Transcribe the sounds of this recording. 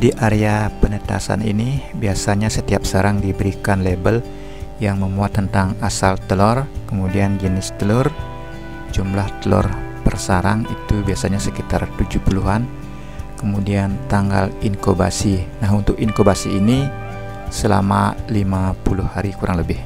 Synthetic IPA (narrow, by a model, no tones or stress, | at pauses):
diʔaɾeapənət̪a̰sa̰nḭnibiasaɲasət̪iap̚səɾaŋdibəɾikanlebəl | jaŋməmuat̪ːənt̪aŋasalt̪əlɔrkəmudianɡinɪst̪əlɔr | d͡ʒumlaht̪əlɔ̰rpərsaɾaŋit̪ubiasaɲasəkit̪a̰rt̪ud͡ʒuhpuluɦan | kəmudiant̪aŋɡa̰liŋkoba̰sinaɦunt̪ʊkinkobasiːni | səla̰malimapuluhːaɾikuɾʔaŋləbɪh